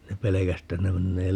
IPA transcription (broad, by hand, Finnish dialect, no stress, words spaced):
ne pelekæs etːæ ne menːeː